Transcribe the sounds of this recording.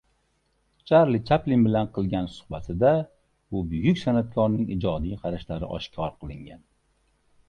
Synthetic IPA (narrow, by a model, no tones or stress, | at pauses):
t͡ʃʰaɾlit͡ʃʰaplinbɪlanqʰɨlˠɡʲansʊ̥hbat̪ʰɪd̪a | ʊbʊjʊkʲsanat̪̚kʰɒɾnɪŋid͡ʒɒd̪ijqʰɑɾaʃlaɾɪ̰ʔɒ̰ʃkʲʰɒɾqʰɨlˠɪŋɡʲan